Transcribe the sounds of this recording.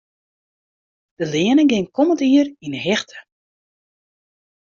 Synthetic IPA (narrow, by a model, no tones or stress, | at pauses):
d̥əlɪənəɡɪŋkʰɔməntiərinəɦɛxtʰə̥